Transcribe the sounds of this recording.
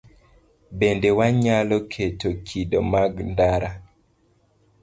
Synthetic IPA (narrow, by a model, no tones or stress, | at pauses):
bendewaɲalɔkʰetokʰidomaɡndaɾa